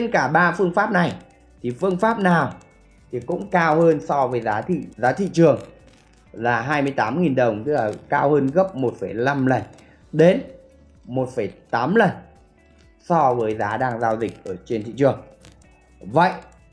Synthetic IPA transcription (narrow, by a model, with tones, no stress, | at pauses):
e˧nkaː˧˩ɓaː˧fɨ˧əŋfaː˦˥p̚na˨˩j | t̪ʰi˨˩fɨ˧əŋfaː˦˥p̚naː˨˩w | t̪ʰi˨˩kʊ̰˧˥ŋ͡mkaː˧whəː˧nsɔ˧vəː˨˦jzaː˨˦t̪ḭ˧˨zaː˨˦t̪ʰḭ˧˨t͡ɕɨ˨˩əŋ | laː˨˩ɦaː˧jmɨ˧əjt̪aː˨˦mŋi˨˩nɗə˨˩wŋ͡mt̪ɨ˦˥k̚laː˨˩kaː˧whəː˧nɣə˦˥p̚mo˨˩t̚fə˧˩jla˧mlə˨˩n | ɗe˨˦n | mo˨˩t̚fə˧˩jt̪aː˨˦mlə˨˩n | sɔ˧vəː˨˦jzaː˨˦ɗaː˧ŋzaː˧wzï˨˩k̟̚ʔəː˧˩t͡ɕe˧nt̪ʰḭ˧˨t͡ɕɨ˨˩əŋ | və̰˧˨jʔ